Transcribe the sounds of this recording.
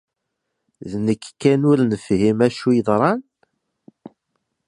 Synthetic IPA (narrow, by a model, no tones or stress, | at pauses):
ðnəkːkːænʊɾnəfhimæʃujəðˤɾˤɑn